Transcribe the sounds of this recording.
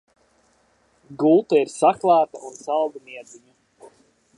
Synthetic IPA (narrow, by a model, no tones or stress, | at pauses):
ɡulˠt̪aiɾsaklˠaːt̪a̰ʔunsalˠd̪amiɛd̪ziɲi